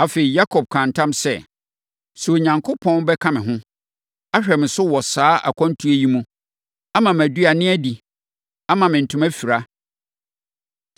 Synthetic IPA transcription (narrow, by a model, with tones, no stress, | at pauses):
a˨fe˨i˨ja˦kʰɔ˨b̚kʰã˨n˨tʰã˦msɛ˦ | su˨o˨ɲã˨ŋkʰʊ˦pʰɔ̃˦nbɛ˦kʰã˦mɪ̃˨ɦʊ̃˦ | a˦ɕᶣɛ˨mɪ̃˨sʊ˦wɔ˨saː˦ʔa̰˨kʷʰɔ̃˦n˦tʰu˦æ˨ji˦mũ˦ | a˦mã˨m˨æ˨du˦a˨nɪ̃˦æ˦di˨ | a˦mã˨mɪ̃˨n̩˨tʰʊ̃˨mæ˦fi˨ɾa˦